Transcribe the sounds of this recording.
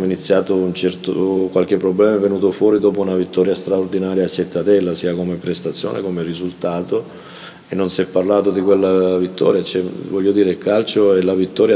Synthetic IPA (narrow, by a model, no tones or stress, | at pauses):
init̪sːjaːt̪ount͡ʃɛrt̪o̰kwalk̟ɪpːɾoblɛːmavenuːt̪ofwɔːɾid̪ɔːpounavit̪ːɔːɾjast̪ɾaord̪inaːɾjaːt͡ʃːet̪ʰːat̪ɛlːasiːakomepɾest̪at̪sːjo̰ːnʔḛkomerizult̪aːt̪o | enːonsɛpːarlaːt̪od̪ikwelːavit̪ːɔ̰ːɾjat͡ʃɛvɔʎːod̪iːɾeilkalt͡ʃoɛlavit̪ːɔːɾja